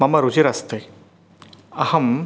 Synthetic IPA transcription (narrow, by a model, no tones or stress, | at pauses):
ɐmɐɾud͡ʒiɾɐst̪e | ɐhɐm